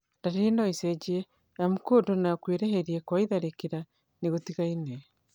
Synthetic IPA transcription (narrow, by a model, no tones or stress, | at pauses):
daɾinaiseɟie | amukodonakweɾeɦeɾiekwaiðaɾekiɾa | niɣotiɣaine